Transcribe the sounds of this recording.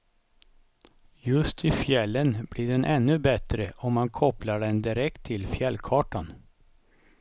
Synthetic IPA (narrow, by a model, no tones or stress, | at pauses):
jɵst̪ʰɪfjɛlːənblɪːɖɛnʔɛnːɵbɛt̪ɾəʔɔmːankʰɔplaɖɛnd̪ɪɾɛkt̪ʰːɪlfjɛlːkʰɑːʈan